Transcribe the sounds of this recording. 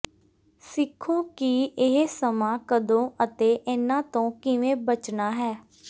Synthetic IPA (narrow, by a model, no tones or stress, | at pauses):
sɪkʰːõːkiɪɦsəmãːkəd̪õːʔət̪eːʔɪnãːt̪õːkɪʋẽːbət͡ʃnaːɦɛː